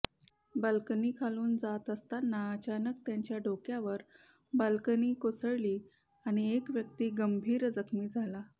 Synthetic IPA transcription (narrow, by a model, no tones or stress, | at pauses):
bəlkəniːkʰaluːnd͡zat̪əst̪anːaət͡ɕanək̚t̪jaɲt͡ɕjaɖʱokjaʋəɾ | bəlkəniːkosəɭliː | aɽ̃iekʋjəkt̪iːɡəmbʱiːɾd͡zəkʰmiːd͡zʱala